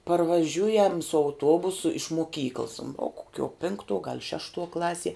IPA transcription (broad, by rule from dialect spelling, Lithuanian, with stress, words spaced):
pɐrʋɐˈʒʲʊjɛm sʊ ɐʊˈtuɔbʊsʊ ɪʃ moːˈkʲiːklˠs oː koːˈkʲuɔ ˈpʲɪŋktuɔ ɡɐlˠ ˈʃʲæːʃtuɔ ˈklˠɑːsʲiɛ